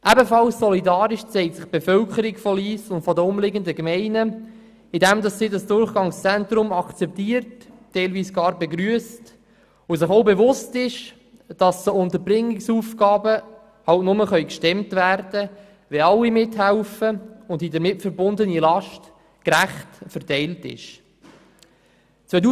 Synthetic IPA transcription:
ʔæbəfɑlssɔlidɑːɾɪʃt͡sɛɪk̚tsɪχb̥efœlkəɾɪɡfɔliːslʊntfɔdəʊmlɪɡəndəkmɛɪnə | ɪdɛmdɑsːiːdɑsd̥ʊrχɡ̥ɑŋst͡sɛntɾʊmɑkt͡sɛp̚tiːərtːɛɪlviːsɡ̥ɑːɾbeɡɾyəst | ʊs̬ɪχoʊbevʊstɪʃ | d̥ɑssoʊnt̪əɾbɾɪŋːɪksuːfɡ̥ɑːbə | hɑltnʊməχœʏkʃtɛmtvæɾd̥ə | ʋɛɑlːimɪtɦæʊfəʊndidəɾmɪtfəɾbʊndənilɑʃt | kɾæχtfəɾtɛɪltɪ̰ʃ | t͡sʋœu

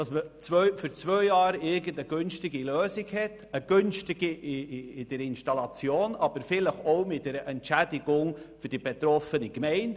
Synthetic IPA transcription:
d̥ɑsmət͡svœfyɾt͡svœʏjɑːɾɪɾɡəndəɡ̥ʏnʃtɪɡiløːsɪɡhɛt | əɡ̥ʏnʃtɪɡ̥iʔɪɪd̥ɛɾɪnʃtɑlɑt͡sjoːnɑb̥əɾfɪləχoʊmɪt̚d̥ɛɾəʔɛntʃædiɡʊŋfʏɾd̥ibɛt̪ɾɔfənikmɛɪnd

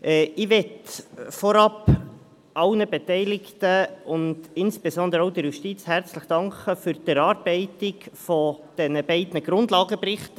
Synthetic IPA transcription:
ʔɛɪʋɛtfɔɾɑp | ʔɑʊnəbɛtɛɪlɪktəʊnd̥ɪnsb̥esɔndəɾəoʊdɛɾjuʃtit͡shært͡sləχd̥ɑŋkəfyɾd̥ɛɾɑːɾb̥ɛɪtɪkfɔd̥ɛnəbɛɪdnəɡ̥ɾʊndlɑːɡəprɪχt

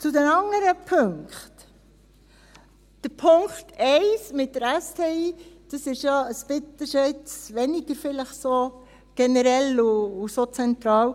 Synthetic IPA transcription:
t͡sʊdɛnɑŋəɾəpʰɵŋkχt | d̥əɾpʰʊŋktɛɪsmɪt̚ːəɾæstʰeːiːd̥ɑsɪʃjaəspɪt̪əʃɔɪtsʋɛniɡ̥əɾfɪləχso | ɡ̥ɛnəɾɛlʊːsot͡sɛnt̪ɾɑːw

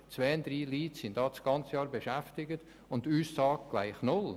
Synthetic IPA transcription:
t͡svɛːnd̪ɾiːliːtsɪndɑːt͡ssɡ̥ɑnt͡səjɑːɾbeʃɛftɪɡət | ʊntyːssɑːkɡ̥la̰ɪχnʊl

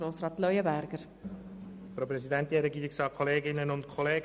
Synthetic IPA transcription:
ɾoːsɾɑːt̪lœʏəbæɾɡ̥əɾ | fɾopɾɛsidɛntiɛɾɛɡiːɾɪksɑːkʰːɔleːɡɪnːənʊntkʰɔleː

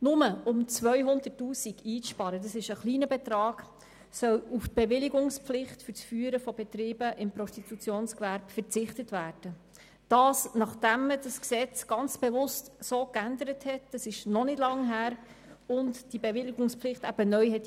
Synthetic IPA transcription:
nʊməʊmt͡sʋœʏɦʊnd̪ətːuːsiɡiːʃpɑɾədɑsɪʃəχliːnəbɛt̪ɾɑːɡ | sœluftb̥eʋɪliɡʊŋspflɪχtfʏɾt͡sfyːɾəfɔbɛt̪ɾiːbəʔɪmpɾɔstit̪ut͡sjoːnskvæɾbfəɾt͡sɪχtətvæːɾd̥ə | d̥ɑːsnɑχd̥æmːəd̥ɑsksɛt͡sɡ̥ɑnt͡sb̥evʊstsoːkænd̪əɾəthɛtd̥ɑsɪʃnɔnɪdlɑŋɦæːɾ | ʊntd̥ibevɪliɡʊŋsplɪχtæb̥ənœʏhɛt̪

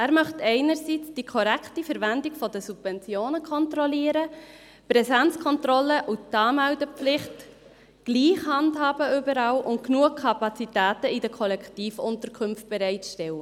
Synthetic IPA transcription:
æːɾmœχtɛɪnəɾsit͡sd̥ikʰɔɾɛkχtifəɾvændɪɡ̥fɔdəsub̥vɛnt͡sjoːnəkʰɔntɾɔliəɾə | pɾɛsɛnt͡skʰɔntrɔlːəʔutːɑːmældəpflɪχt | ɡ̥liːχhɑndhɑːbəʏbəɾɑːlʔʊntknuəkʰːɑpɑt͡sitæːtəidəkʰɔlɛktiːfʊntəɾkʰʏmft̚b̥ɛɾɛɪtʃtɛwə

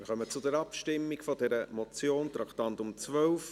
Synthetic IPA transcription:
ɪχœmət͡sʊdɛɾɑpʃtɪmːikfɔdɛɾəmɔt͡sjoːnt̪ɾɑktɑntʊmt͡sʋœlf

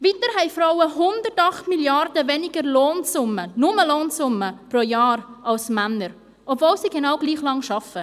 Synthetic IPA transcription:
vitəɾɦɛɪfɾaʊwəɦʊndərtɑχtmiljɑɾdəvɛnɪɡəɾloːnsʊmːənʊməloːnsʊmːəprojɑːɾɑlsmænːəɾ | ʔɔbvoːlsiːɡenɑʊwɡliːχlɑŋʃɑfə

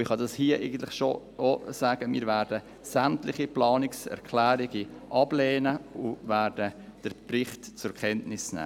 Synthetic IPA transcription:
ɪχhɑdɑshiəʔḛɪɡən̩t̪lɪχʃo | ʔosæːɡ̥əmḭːɾvæːɾdə | sæmtlɪχiplɑːnɪksɛ̰ɾkʰlæːɾiɡiʔɑb̥lɛːnəʊvæːɾd̥əd̥əɾprɪχtt͡sʊɾkʰɛntnɪsnɛ̰ː

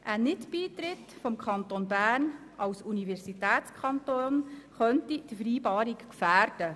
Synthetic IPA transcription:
ʔænɪtbiːtɾɪtfɔmkʰɑnt̪onbæːrn | ɑwsunivɛrsitɛːtt͡skʰɑntonχœntid̥əfɾiːbɑːɾikkfæːɾd̥ə

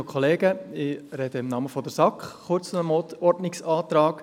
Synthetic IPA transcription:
kʰχɔleːɡəɪɾɛd̥əɪmnɑməfɔd̪əɾsɑkχχʊɾt͡snəmɔtɔɾtnɪksɑːt̪ɾɑːk

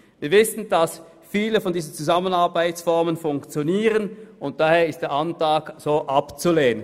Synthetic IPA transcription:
viːɐvɪsən̩d̥as | fiːləfɔndiːzn̩t͡suzamənaɐbaɪtsfɔɐmənfʊŋkt͡sjoniːʁənʔʊnt̚d̥aheːɐɪstd̥eːɐʔantaːkz̥oːʔapt͡suleːnən

